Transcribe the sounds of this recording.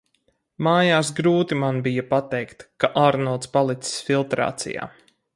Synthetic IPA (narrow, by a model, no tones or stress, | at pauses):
maːjaːsɡɾuːt̪imanbijapat̪ɛjkt̪kaʔaːɾnɔɔt̪spalˠit̪si̥sfilˠt̪ɾa̰ːt̪sḭja̰ː